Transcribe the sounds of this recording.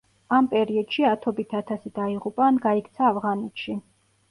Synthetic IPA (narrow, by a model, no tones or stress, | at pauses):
ampʼɛɾiɔd̪̥ʃiat̪ʰɔbit̪ʰat̪ʰasid̪aiʁupʼaːnɡaikʰt̪sʰaːvʁanɛt̪ʃi